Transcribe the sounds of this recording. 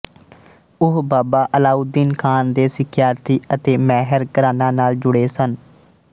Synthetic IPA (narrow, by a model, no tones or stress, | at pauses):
ʊɦbaːbaːʔəlaːud̪iːnkʰaːnd̪eːsɪkʰɪjaːɾt̪iːət̪eːmɛːɦəɾkəɾaːnãːnaːld͡ʒʊɽeːsən